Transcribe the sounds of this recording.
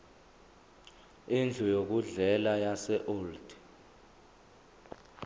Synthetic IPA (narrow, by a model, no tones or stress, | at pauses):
ind͡ɮʱujok̬uɮɛlajasɛʔoːld̥ʱ